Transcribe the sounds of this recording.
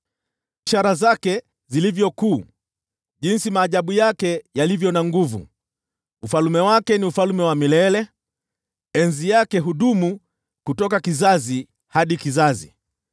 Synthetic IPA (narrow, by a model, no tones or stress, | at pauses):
iʃaɾazakɛ | zilivjɔkuː | ʄinsimaːʄaɓujakɛjalivjɔnaŋɡuvṵ | ufalumɛwakɛniufalumɛwamilɛlɛ | ɛnzijakɛɦuɗumu | kutɔkakizazi | haɗikizazḭ